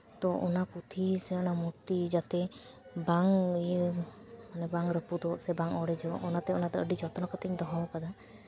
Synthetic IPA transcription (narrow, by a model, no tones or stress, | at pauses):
t̪ɔʔɔnaput̪ʰisɛɔnamuɾt̪id͡ʒat̪ɛ | baŋ | manɛbaŋɾəpud̪ɔʔsɛbaŋɔɽɛd͡ʒɔʔɔnat̪ɛɔnat̪ɛəɖid͡ʒɔt̪ɔnakɔt̪iɲd̪ɔɦɔwkad̪a